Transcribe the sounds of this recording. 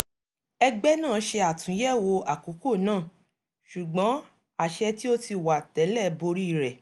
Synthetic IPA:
ɛ˧ɡ͡bɛ˦nãː˦˨˧ʃe˧a˨tũ˨˦jɛ˦˨wo˧a˨ko˨˦ko˦˨nãː˦˨ | ʃu˨ɡ͡bɔ̃˨˦ | a˨ʃɛ˧ti˦o˦ti˧˨wa˨tɛ˨˦lɛ˦bo˧ɾi˦i˦˧˨ɾɛ˨

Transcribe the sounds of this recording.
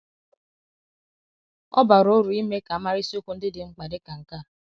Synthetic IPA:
ɔ̰˦ba˨ɾo˦ɾu˨i˦me˦ka˨a˨˦ma˦ɾi˦si˦o˦ku˦n̩˦dɪ˦dɪ˨ŋ͡m̩˦k͡pa˨dɪ˦ka˨ŋ̩˨ka˦˨

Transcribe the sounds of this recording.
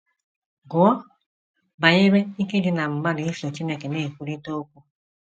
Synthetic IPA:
ɡʊ˨˦ɔ˦ | ba˨ɲe˦ɾe˦i˦ke˦dɪ˨na˨ŋ͡m̩˨ɡ͡ba˦di˨i˦so˨t͡ʃi˦ne˦ke˨ne˦˨kʷu˦ɾi˦to˦kʷu˦

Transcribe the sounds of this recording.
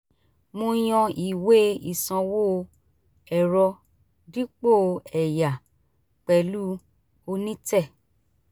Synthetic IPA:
mõ˧j̃ɔ̃˧i˨we˦i˨sã˧wo˦ | ɛ˨ɾɔ˧ | di˦k͡po˦˨ɛ˨ja˨ | k͡pɛ˧lu˦ | o˧nĩ˦tɛ˦˨

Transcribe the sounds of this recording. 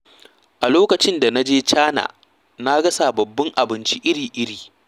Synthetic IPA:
ʔa˨loː˦kɐ˨t͡ʃɪ˦nda˨na˦d͡ʒeː˦t͡ʃaː˦na̰ː˨ | na˦ɡɐ˦sa˨bɐ˨bːɐ˦ŋʔa˨bɪ˦nt͡ʃi˦ʔɪ˦ɽiː˨ʔɪ˦ɽiː˨

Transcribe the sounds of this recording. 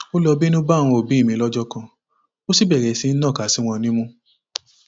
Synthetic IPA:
o˦lɔ˧bi˦nũ˦ba˦˨w̃ɔ̃˧o˨bĩ˨˦i˦˨mĩ˧˦lɔ˦d͡ʒɔ˦kã˧ | o˦si˦˨bɛ˦˨ɾɛ˨si˧˦n̩˦nã˦˨ka˨˦si˨˦w̃ɔ̃˧nĩ˦mũ˦

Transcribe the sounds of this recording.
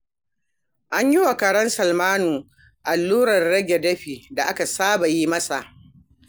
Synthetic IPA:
ʔa˦ɲji˦wa˨kɐ˨ɽɐ˦nsɐ˨lmaː˦nuː˨ | ʔa˨lːuː˦ɽɐ˨rɽɐ˦ɡʲe˨dɐ˦ɸiː˨da˨ʔa˦ka˨saː˦ba˨ji˦mɐ˦sa˨ʔ

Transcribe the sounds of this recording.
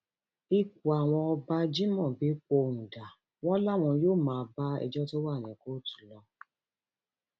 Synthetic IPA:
i˧k̚u˨a˨w̃ɔ̃˧ɔ˧ba˧d͡ʒi˦mɔ̃˦˨bi˨˦k͡po˧nũ˨da˨ | w̃ɔ̃˦la˦˨w̃ɔ̃˧joː˦˨mãː˨˧ba˦ɛ̰˧d͡ʒɔ˦to˦wa˦˨nɛ̃˨ko˨˦tu̥˨lɔ˧

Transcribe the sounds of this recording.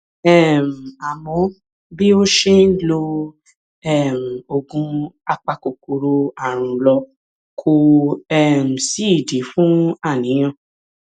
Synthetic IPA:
ɛ˦˨m̩˨a˨mɔ̃˨˦ | bi˦o˦ʃe˦n̩˦lo˧ | ɛ˦˨m̩˨o˧ɡũ˧a˧k͡pa˧ko˨ko˧ɾo˧a˦˨ɾ̃ũ˧lɔ˧ | kʰo˧ɛ˦˨m̩˨si˨˦i˦˨di˨˦fũ˦a˦˨nĩ˨˦j̃ã˦˨

